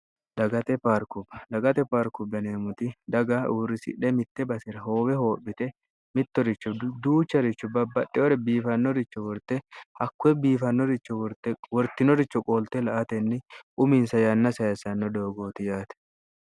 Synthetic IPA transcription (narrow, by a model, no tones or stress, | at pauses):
lɐɡɐt̪ɛpaːɾkʊbɐlɐɡɐt̪ɛpaːɾkʊbɐneːmʊt̪ɪd̪ɐɡɐʔuːrːɪsɪ̰ᶑɛmɪt̪ːɛbɐsɪɾɐhoːbɛho̞ːɓɪt̪ɛ | mɪt̪ːɔɾɪt͡ʃːɔd̪uːt͡ʃːɐɾɪt͡ʃːɔbɐbːɐɗːɪɔɾɛbiːfɐnːɔɾɪt͡ʃːɔwɔɾt̪ːɛɐkːʊɛbiːfɐnːɔɾɪt͡ʃːɔwɔɾt̪ɛwɔɾt̪ɪnɔɾɪt͡ʃːɔkʼoːlt̪ɛlɐʔɐt̪ɛnːɪʔʊmɪnsɐjɐnːɐsɐjɐsɐnːɔd̪o̞ːɡoːt̪ɪjaːt̪ɛ̥